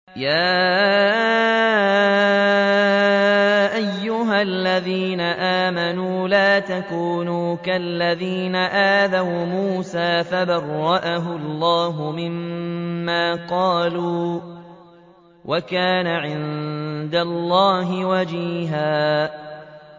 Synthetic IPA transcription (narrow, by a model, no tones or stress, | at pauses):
jaː | ʔajːʊɦalːaðiːnaʔaːmanuːlaːt̪akuːnuːkalːaðiːnaʔaːðawmuːsaːfabɑrˤːɑʔaɦʊlːɑːɦʊmɪmː | aːqɑːluː | wʔakaːnaʕɪnd̪alːɑːɦɪwad͡ʒiːɦaː